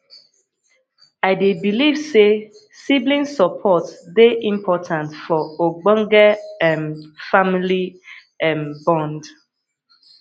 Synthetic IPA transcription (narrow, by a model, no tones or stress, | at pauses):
aɪdebilivse | siblĩnsəpʰɔtdeʔĩmpʰɔtʰãntfɔoɡ͡bɔ̃ŋɡɛɛ̃nfamili | ɛ̃mbɔ̃nd